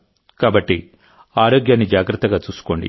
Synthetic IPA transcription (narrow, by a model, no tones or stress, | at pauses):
kaːbɐʈːi | aːɾo̞ːɡjaːnːid͡ʒaːɡɾɐt̪ːɐɡaːt͡ʃuːsu̥ko̞ːɳɖḭ